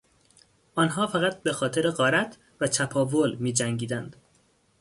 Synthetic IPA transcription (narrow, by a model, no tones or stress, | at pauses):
ʔɒːnɦɒːfæɣæt̪̚bexɒːt̪ʰe̞ɾeɢɒːɾæt̪ʰ | væt̪ʰæpʰɒːvolmiːd͡ʒæŋɡiːd̪ænd̪̥